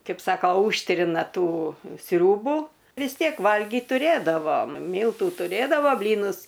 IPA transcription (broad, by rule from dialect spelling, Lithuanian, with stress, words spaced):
ˈkɐɪp ˈsɑːkoː ˈuːʃʲtʲrʲɪnɐ ˈtuː ˈsʲrʲuːbʊ ʋʲɪs ˈtʲiɛk ˈʋɐlʲɡʲiːt tʊˈrʲeːdɐʋoːm ˈmʲiːlˠtʊ tʊˈrʲeːdɐʋoː ˈbʲlʲiːnʊs